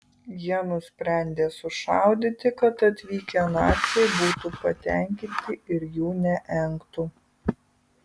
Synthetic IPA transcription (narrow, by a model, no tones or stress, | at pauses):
jiɛnʊsʲpʲɾʲɛˑnʲd̪ʲeːsʊʃɑˑʊd̪ʲɪt̪ʲɪkɐt̪ɐt̪ʲʋʲiːkʲɛnɑːt̪sʲɛɪbuːt̪uːpɐt̪ʲɛˑŋʲkʲɪnʲt̪ʲɪʔɪɾjuːnʲɛʔɛŋkt̪u